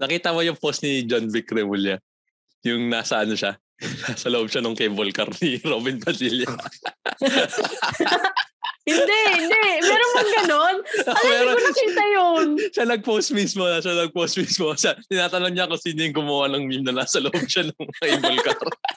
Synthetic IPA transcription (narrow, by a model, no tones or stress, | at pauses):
nɐkiːt̪ɐmojʊŋpost̪nid͡ʒonbikɾɛmuljɐ | jʊŋnaːsɐʔɐnoʃa | naːsɐloʔob̚ʃanɐŋkɛjbolkɐɾniɾoːbɪnpɐdiljɐ | hɪnd̪ɛhɪnd̪ɛmɛːɾomŋɡɐnonmɛːɾoonɐkiːt̪ɐjonʃanɐɡ̚post̪̚mismoɐʃanɐɡ̚post̪̚mismoʃat̪ɪnaːt̪ɐnoɡɲakʊsiːnojʊŋɡʊmɐwanɐŋmimnɐnaːsɐloʔob̚ʃanoŋkebolkɐɾ